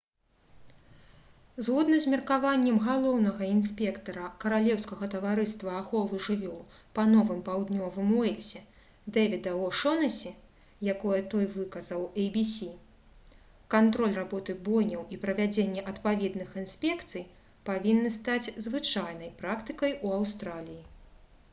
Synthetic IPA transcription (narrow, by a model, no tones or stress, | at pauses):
zɣɔd̪nɐzʲmʲɛrkavanʲːɛmɣalˠɔwnɐɣɐinsʲpʲɛkt̪ɐɾɐkɐɾalʲɛwskɐɣɐt̪ɐvaɾɨst̪vɐːxɔvɨʐɨvʲɔlˠ | pɐnɔvɨmpawd̪nʲɔvɨmuɛlʲsʲɛ | d̪ɛvʲɛd̪ɐɔʂɔnɐsʲi | jakɔjɛt̪ɔjvɨkɐzɐwɛjbʲisʲi | kant̪ɾɔlʲrabɔt̪ɨɣbɔjnʲɐwipɾɐvʲad͡zʲenʲːɛʔɐt̪pavʲɛd̪nɨxinsʲpʲɛkt̪sɨj | pavʲinːɨst̪ad͡zʲzvɨt͡ʂajn̪ɐjpɾakt̪ɨkɐjuawst̪ɾalʲiji